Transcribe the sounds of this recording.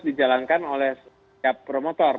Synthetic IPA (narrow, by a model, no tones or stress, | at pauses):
did͡ʒalankanolɛhs | apːɾomot̪ɔr